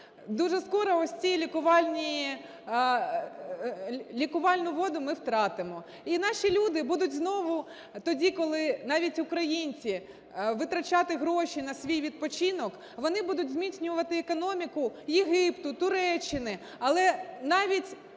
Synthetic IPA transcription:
d̪uʒɛskɔɾɔɔsʲt͡sʲijlʲikʊʋɑlʲnʲiji | lʲikʊʋɑlʲnʊʋɔd̪ʊmɪwt̪ɾɑt̪ɪmɔ | inɑʃʲilʲud̪ɪbud̪ʊtʲznɔʋʊ | t̪ɔdʲikɔlˠɪnɑʋʲitʲʊkɾɐjinʲt͡sʲi | ʋɪt̪ɾɐt͡ʃɑt̪ɪɦɾɔʃʲinɐsʲʋʲijʋʲid̪̚pɔt͡ʃinɔk | ʋɔnɪbud̪ʊtʲzmʲit͡sʲsʲnʲʊʋɐt̪ɪekɔnɔmʲikʊjeɦɪpt̪ʊt̪ʊɾɛt͡ʃːɪnɪ | ɐlˠɛnɑʋʲitʲ

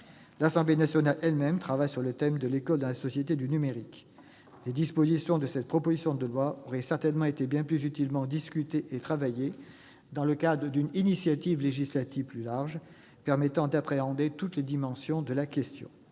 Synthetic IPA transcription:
lasɑ̃blenasjɔnalɛlmɛmt̪χavajsyʁlət̪ɛmd̪əlekɔld̪ɑ̃lasɔsjet̪ed̪ynymeʁik | led̪ispozisjɔ̃d̪əsɛt̪̚pχɔpozisjɔ̃d̪əlwaɔʁɛsɛʁt̪ɛnmɑ̃et̪ebjɛ̃plyzyt̪ilmɑ̃d̪iskʲyt̪eʔet̪χavaje | d̪ɑ̃ləkad̪ʁəd̪yninisjat̪ivleʒislat̪ivplylaʁʒ | pɛʁmɛt̪ɑ̃d̪apχeɑ̃d̪et̪ut̪led̪imɑ̃sjɔ̃d̪əlakʲɛst̪jɔ̰̃

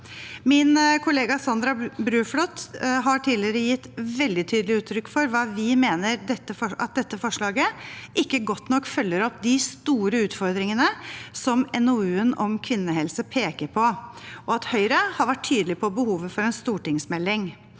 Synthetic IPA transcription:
mɪnkʰʊleːɡɑsɑnd̪ɾɑbɾʉːflɔt̪ːɦɑʈʰiːlɪəɾəjɪt̪ːʋɛld̪ɪt̪ʰyːd̪əlɪʉːt̪ʰːɾʏkːfɔɾʋɑːʋɪmeːnəɾd̪ɛt̪ːəfɔɑt̪̚d̪ɛt̪ːəfɔʂɭɑːɡəʔɪkːəɡɔt̪ːnɔkːfœlːəɾɔpd̪ɪst̪uːɾəʉːt̪fɔɾd̪ɾɪŋənəsɔmɛnɔʉːənɔmkʰʋɪnːəɦɛlsəpʰeːkəɾpʰɔʔɔɑt̪hœʏɾəhɑɾʋæʈʰːyːd̪əlɪpʰɔbəhuːʋəfɔɾɛnst̪uːʈɪŋsmɛlːɪŋ

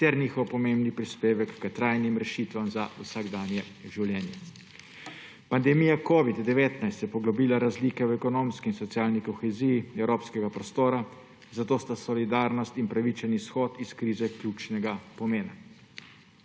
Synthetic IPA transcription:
t̪ɛɾnixɔwpɔmembnipɾispeːʋɛkːət̪ɾajnimɾɛʃiːt̪ʋamza̰usaɡd̪aːnjɛʒiwljɛːnjɛ | pand̪ɛmijakoːʋid̪d̪ɛʋeːt̪najst̪jɛpɔɡlɔbiːlaɾazliːkɛwɛkɔnoːmskiːnsɔt̪sjaːlnikɔxɛzijiɛwɾoːpskɛɡapɾɔst̪oːɾa | zat̪oːst̪asɔlid̪aːɾnɔst̪inpɾaʋit͡ʃɛnisxɔːt̪iskɾiːzɛklʲjut͡ʃnɛɡapɔmeːna

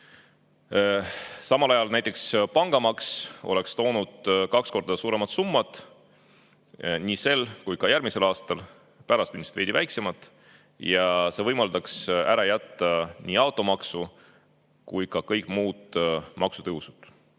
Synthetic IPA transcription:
sɑmɑlɑjɑlnæjt̪ˑekspɑŋɡ̥ɑmɑkso̞̰le̞kst̪o̞ːnud̪̥kɑksko̞rd̪ɑsuːɾe̞mɑt̪sumːɑt̪ˑ | niːse̞lkujkɑjæɾmise̞lɑːst̪ɑl | pæɾɑst̪ynmist̪ved̪ivæjkse̞mɑt̪ːˑ | jɑse̞vɤjmɑld̪ɑksæɾɑjæt̪ːɑnʲiːɑwt̪ˑo̞mɑksu | kujkɑkɤjkˑmuːd̪̥mʔɑksut̪ɤɦusud̪̥

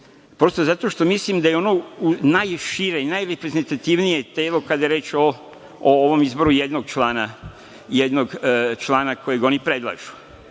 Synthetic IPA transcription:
pɾo̞st̪ozat̪o̞ʃt̪o̞mislimd̪ajeo̞nounajʃiɾeinajɾepɾe̞zent̪at̪iʋnijet̪eːlo̞kad̪ajeɾe̞ːt͡ʃo | ooʋo̞mizbo̞ɾujed̪noɡt͡ʃlaːna | jed̪noɡt͡ʃlˠaːnako̞jeɡo̞nipɾe̞d̪lˠa̰ʒu̥

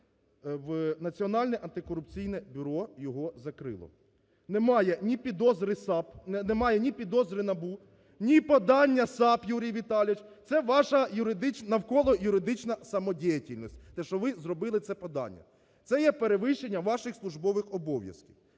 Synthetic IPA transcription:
ʋnɐt͡sʲiɔnɑlʲnɛʔɐnt̪ɪkɔɾʊpt͡sʲijnɛbʲʊɾɔjɔɦɔzɐkɾɪ̰lˠɔ̰ | nɛmɑjɛnʲipʲid̪ɔzɾɪsɑp̪nɛmɑjɛnʲipʲid̪ɔzɾɪnɐbu | nʲipɔd̪ɑnʲːɐsɑpjuɾʲijʋʲit̪ɑlʲʋɪt͡ʃt̪sɛʋɑʃɐjʊɾɪd̪ɪt͡ʃnɐwkɔlˠɔjʊɾɪd̪ɪt͡ʃnɐsɐmɔdʲijɐtʲilʲnɔsʲtʲt̪ɛʃɔʋɪzɾɔbɪlˠɪt̪sɛpɔd̪ɑ̰nʲːɐ̰ | t̪sɛjɛpeɾeʋɪʃt͡ʃe̞nʲːɐʋɑʃɪxslˠʊʒbɔʋɪxɔbɔʋʲjɐ̰skʲiw

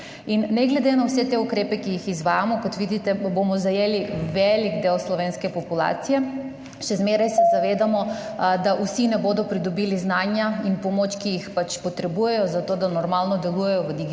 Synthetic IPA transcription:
inːɛɡlɛd̪enawsɛt̪eukɾeːpɛkijixizʋaːjamɔkɔt̪ʋid̪it̪ɛbomɔzajeːliʋɛliɡd̪eːwslɔʋeːnskɛpɔpula̰ːt̪sijɛ | ʃɛzmeːɾajsɛzaʋeːd̪amɔd̪aʔusinɛboːd̪ɔpɾid̪ɔbiliznaːnjainpɔmot͡ʃkijixpat͡ʃpɔt̪ɾɛbujɛjɔzat̪oːd̪anɔɾmalnɔd̪ɛlujɛjɔʋəd̪iɡ

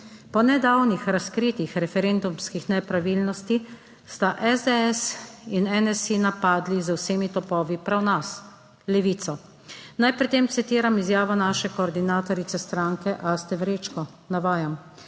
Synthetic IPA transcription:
pɔnɛd̪awnixɾaskɾit̪ixɾɛfɛɾend̪umskixnɛpɾaʋilnɔst̪i | st̪aʔɛzd̪eɛsinɛnɛsinapaːd̪lizəwseːmit̪ɔpɔːʋipɾawnas | lɛʋiːt̪sɔ | najpɾit̪ːeːmt̪sit̪iːɾamizjaːʋɔnaːʃɛkɔːɾd̪inaːt̪ɔɾit̪sɛst̪ɾaŋkɛʔast̪ɛʋɾeːt͡ʃkɔ | naʋaːjam

